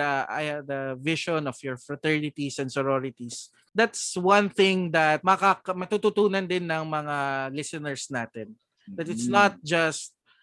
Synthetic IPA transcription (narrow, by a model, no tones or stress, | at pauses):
ɐa̰jd̪ɐvɪʃɔnɔfjɔɹfɹɐt̪ɛɹnɪt̪isɛ̃nd̪sɔɹoɾɪt̪is | d̪at̪swɐ̃nθɪ̃ŋd̪ɐt̪̚mɐkakmɐt̪ut̪ut̪uːnɐnd̪ɪnːɐŋmɐŋalɪsɛnɛɹsnaːt̪ɛn | d̪ɐt̪ɪt̪snat̪̚d͡ʒɐst̪̚